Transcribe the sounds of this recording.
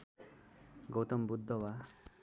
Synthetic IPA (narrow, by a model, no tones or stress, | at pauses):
ɡowt̪ɔmbud̪ʱːɔwa